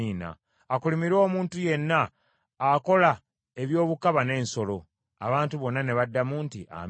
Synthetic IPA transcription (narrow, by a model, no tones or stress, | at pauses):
iːna̰ː | kulimiɾo̞ːmuːntuje̞nːaː | ko̞la | e̞βjo̞ːβukaβane̞ːnso̞lo̞ | a̰βaːntuβo̞nːane̞βadːamuːntiʔa̰m